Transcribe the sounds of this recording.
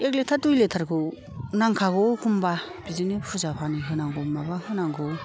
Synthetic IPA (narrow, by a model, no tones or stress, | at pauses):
ek̬̚letʰaɾdujletʰaɾkʰɯ | naŋkʰaɡowkʰumba | bizinipʰuzapʰaniɦɯnaŋɡɔmabaɦɯnaŋɡow